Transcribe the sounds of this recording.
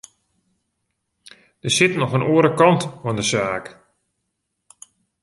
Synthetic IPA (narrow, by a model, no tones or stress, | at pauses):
d̥əsɪtnɔxənʔuəɾəkɑntɔndəsaːk